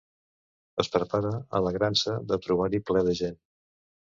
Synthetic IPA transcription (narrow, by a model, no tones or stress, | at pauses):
əspɾəpaɾəə̰ləɣɾansəðət̪ɾuβ̞aɾiplɛðəʒen